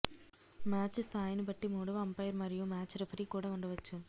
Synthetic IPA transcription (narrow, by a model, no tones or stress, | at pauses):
maːt͡ʃst̪ʰaːjnibɐʈːimuːɽɐʋɐɐmpɐjɐɾmɐɾijumaːt͡ʃɾepʰɐɾikuːɽaːuɳɖɐʋɐt͡ʃːu